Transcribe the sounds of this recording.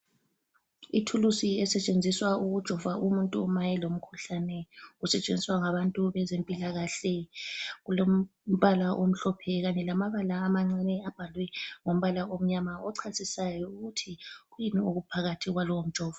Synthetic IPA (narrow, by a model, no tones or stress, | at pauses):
itʰulusiɛsɛt͡ʃʼend͡zʱiswauɣud̥ʒ̥ʱɔvaʔumuntʼumajɛlom̩kʰuɬanɛɣusɛt͡ʃʼḛnd͡zʱiswaŋaβantʼuβɛzempʼilaɣaɬɛɣulom̩βalaʔom̩ɬɔpʰɛɣaɲɛlamaβalaːmaŋ͡ǀɛnɛab̥ʱalwɛŋom̩βalaom̩ɲamaɔǀʰasisajɔuɣutʰiɣujimioɣupʰaɣatʰiɣwalɔwom̩̥ʒ̥ʱɔːva